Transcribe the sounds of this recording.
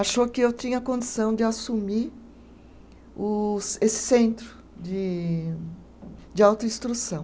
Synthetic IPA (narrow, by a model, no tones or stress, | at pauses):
aʃokɪewt͡ʃ̪ĩɲɐɐkõnd̪isɐ̃w̃d͡ʒɪasumi | ʊsesɪ̥sẽnt̪ɾʊ | d͡ʒɪ | d͡ʒɪawt̪ʊĩst̪ɾusɐ̃w̃